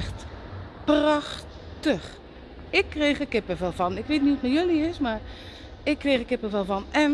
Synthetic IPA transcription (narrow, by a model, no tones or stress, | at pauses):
xtprɑx | təχ | ɪkːrejχəkɪpəvɛlˠvɑnɪkʋeːtniutmɛjɵliɪsmaːr | ɪkːrejχəkɪpəvɛlˠvɑnɛn